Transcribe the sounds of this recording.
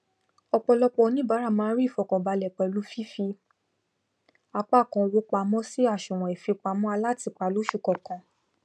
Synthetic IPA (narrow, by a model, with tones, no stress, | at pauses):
ɔ˧k͡pɔ˧lɔ˧˦k͡pɔ˧nĩ˦ba˨˦ɾa˦˨mãː˦ɾi˦˨fɔ˨kɔ̃˨ba˧lɛ˨k͡pɛ˧˨lu˨˦fi˦fi˧ | a˧k͡pa˦˨kɔ̃˧wo˦k͡pa˧mɔ̃˦si˦a˦˨ʃũ˨w̃ɔ̃˨i˨fi˧k͡pa˧mɔ̃˦a˧la˦˨ti˧k͡pa˧˨lu˨˦ʃu˦˨kɔ˨kɔ̃˨